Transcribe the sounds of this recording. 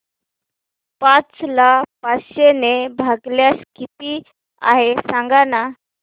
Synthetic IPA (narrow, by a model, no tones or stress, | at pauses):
pãt͡slapaɕenebʱəɡljaskʰit̪iː | a̰ɦesaŋɡana